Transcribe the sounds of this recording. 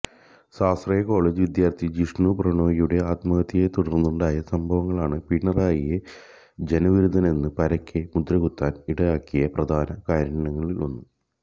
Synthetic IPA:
saːsrɐjɐko̞ːɭeːd͡ʑɨʋid̪jaːrt̪ʰid͡ʑiʂɳuːprɐɳo̞ːjijuɽe̞aːt̪mɐɣɐt̪ːijet̪uɽɐrnːuɳɖaːjɐsɐmbʱɐʋɐŋːɐɭaːɳɨpiɳːɐraːjije | d͡ʑe̞nɐʋiɾud̪ʱɐne̞nːɨpɐɾɐkʰʲːemud̪rɐɣut̪ːaːniɽɐjaːkːijɐprɐd̪ʱaːnɐkaːɾɐɐɳɐŋːɐɭilonːu

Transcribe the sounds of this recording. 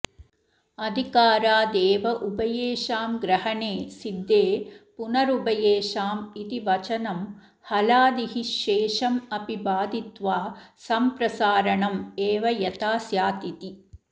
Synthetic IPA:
ɐd̪ʱikaːɾaːd̪eːʋɐʔubɐjeːʃaːmɡɾɐɦɐɳeːsid̪ːeːpunɐɾubɐjeːʃaːmit̪iʋɐt͡ʃɐnɐm | hɐlaːd̪iɦiʃeːʃɐmɐpibaːd̪it̪ʋaːsɐmpɾɐsaːɾɐɳɐmeːʋɐjɐt̪aːsjaːt̪it̪i

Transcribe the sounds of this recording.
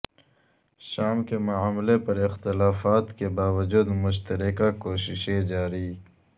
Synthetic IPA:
ʃaːmkemʊaːmlepɐɾɪxt̪ɪlaːfaːt̪kebaːwɐd͡ʒuːd̪mʊʃ̬t̪ɐɾɪkakoːʃɪʃẽd͡ʒaːɾiː

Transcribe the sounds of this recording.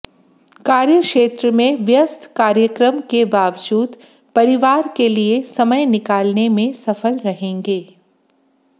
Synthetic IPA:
kaːɾjəkʃeːt̪ɾəmẽʋjəst̪ʰkaːɾjəkɾəmkebaːʋd͡ʒuːd̪ | pɐɾɪʋaːɾkeliesɐməjnɪkaːlnemẽsɐfəlɾɐɦẽːŋɡeː

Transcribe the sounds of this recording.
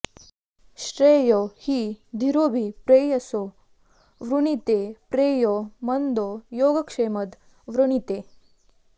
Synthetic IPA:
ʃɾeːjohiːd̪ʱiɾoːbʱipɾeːjɐso | ʋɾuɳit̪eːpɾeːjomɐnd̪oːjoːɡɐkʂeːmɐd̪ | ʋɾuɳit̪eː

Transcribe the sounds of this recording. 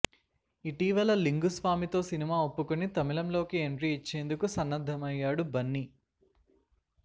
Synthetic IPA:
iʈiːʋɐlɐliŋɡusʋaːmit̪o̞ːsinimaːopːukunit̪ɐmilɐmlo̞ːkieɳʈɾiːt͡ʃːeːnd̪ukusɐnːɐd̪ʱɐmɐjːaːɽubɐnːi

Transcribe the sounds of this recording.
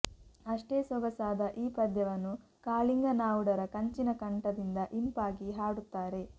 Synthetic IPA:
ɐʂʈe̞ːsɔɡɐsaːd̪ɐʔiːpɐd̪jɐʋɐnːu | kaːliŋɡɐnaːʋuɽɐɾɐkɐɲt͡ʃinɐkɐɳʈɐd̪ind̪ɐʔimpaːɡiɦaːɽut̪ːaːɾe̞

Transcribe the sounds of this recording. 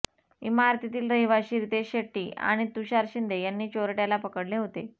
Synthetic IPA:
ḭmaɾt̪it̪iːlɾəɦiʋaɕiːɾit̪eɕeʈːiːʔa̰ɽ̃it̪uɕaɾɕind̪ʱejanːiːt͡ɕoɾəʈjalapəkəɽleɦot̪e

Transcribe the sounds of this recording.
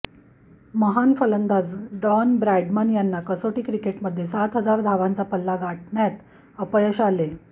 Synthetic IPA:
məɦanfələnd̪ʱad͡zɖɔnbɾajɖmənjanːakəsoʈikɾikeʈməd̪ʱjesat̪ɦəd͡zaɾd̪ʱaʋãnt͡sapəlːaɡaʈ̚ʰɳjat̪ | əpəjəɕale

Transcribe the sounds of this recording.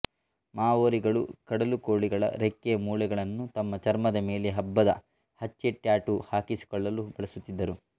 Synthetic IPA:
maːʋoːɾiɡɐɭṵkɐɽɐluko̞ːɭiɡɐɭɐ̰ɾekːemuːlɛɡɐɭɐnːut̪ɐmːɐt͡ʃɐɾmɐd̪ɐme̞ːleɦɐbːɐd̪ɐ̰ | hɐt͡ʃːeʈːjaːʈuhaːkisi̥kɔɭːɐlub̥ɐɭɐsut̪ːid̪ːɐɾu

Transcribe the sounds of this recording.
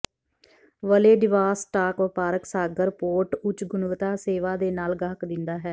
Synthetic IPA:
ʋəleːɖɪʋaːsʈaːkʋəpaːɾəksaːɡəɾpoːɾʈʊt͡ʃɡʊnʋət̪aːseːʋaːd̪eːnaːlɡaɦkd̪ɪnd̪aːɦɛː

